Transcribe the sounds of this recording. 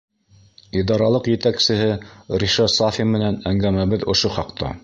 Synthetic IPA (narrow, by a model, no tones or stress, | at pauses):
id̪ɑɾɑlˠɤqjɘ̆t̪æksɘ̆ɦɘɾiʃɑsafʲimɘ̆nænæŋɡæmæβɘðŏʃoχɑqt̪ɑ̰